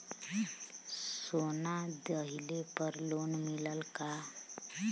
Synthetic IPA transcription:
sonad̪əɦilepəɾloːnmiləlka

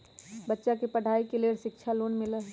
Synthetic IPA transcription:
bətːʃakepəɽ̤ʱaːikeleːɽʃɪk̚t͡ʃʰaloːnmɪlə

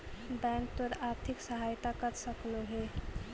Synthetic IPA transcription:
bɛ̃ŋk̚t̪oɾaɾt̪ʰiksəɦajt̪akəɾsəkloɦe

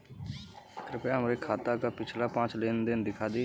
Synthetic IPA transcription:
t̪ɾpeɦəmɾeːkʰaːt̪aːkaːpɪt͡ʃʰlaːpãːt͡ʃleːnd̪ɪnd̪ɪkʰaːd̪iː

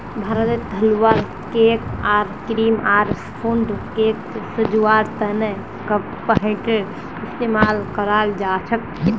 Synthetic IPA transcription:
bʱaɾət̪et̪əluʋaɾ | kekaɾkɾimaɾspʰuɳɖkek̪səd͡ʒuaɾt̪ənə | kəb | pəɦə̃ʈeɖ | ist̪emalkəɾald͡ʒat͡ʃʰək̚

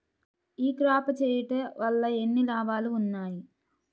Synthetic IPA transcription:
iːkɾaːpɐt͡ʃeːjiʈeʋɐlːɐe̞nːilaːʋaːluːnːaːji

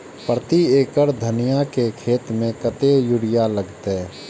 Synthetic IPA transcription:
pɾət̪ieːkəɾd̪ʱənɪjakekʰeːt̪mẽkət̪ejʊɽɪjaləɡt̪e

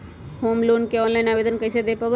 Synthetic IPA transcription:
hoːmlonkeɔ̃nlajnaːʋed̪ənkəjsed̪epɐb

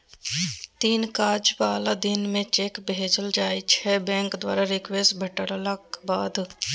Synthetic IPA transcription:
t̪iːnkaːd͡ʒbaːlad̪ɪnmẽt͡ʃeːkbʱed͡ʒəld͡ʒaːit͡ʃʰɛbɛ̃ːŋkd̪waːɾaɾɪkʋeːsʈbʱəʈəɽlabaːd̪

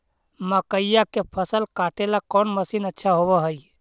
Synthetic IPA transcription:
məkəɪjakepʰəsəlkaːʈelakɔːnməsiːnətːʃʰaɦobəɦəi

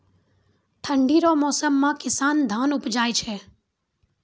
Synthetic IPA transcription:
ʈʰəɳɖiːɾoːmɔːsəmːãːkɪsaːnd̪ʱaːnʊpd͡ʒaːjt͡ʃʰeː

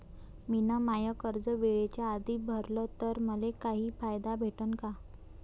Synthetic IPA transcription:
minamajəkəɾd͡zəʋeɭet͡ɕjaːd̪ʱiːbʱəɾlət̪əɾməlekaɦiːfajd̪abʱeʈənka

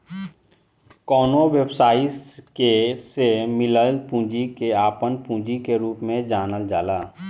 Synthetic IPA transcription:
kɔːnoʋjəbsaːikesemɪləlpũːd͡ʒikeaːpənpũːd͡ʒikeɾuːpmẽd͡ʒaːnəld͡ʒaːlaː

